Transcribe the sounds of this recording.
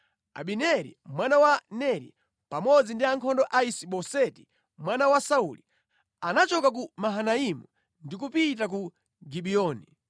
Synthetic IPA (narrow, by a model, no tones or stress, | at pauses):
a̰ɓinɛɾḭmwanawanɛɾḭ | pamɔd͡zindiaŋkʰɔndɔʔaisiɓɔsɛti̥ | mwanawasaulḭ | anat͡ʃɔkak̬umaɦanaimu | ndik̬upit̬ak̬u | ɡiɓiɔːni